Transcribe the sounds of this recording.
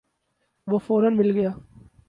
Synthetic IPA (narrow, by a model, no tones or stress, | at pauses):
ʋoːfoːɾənmɪlɡəjaː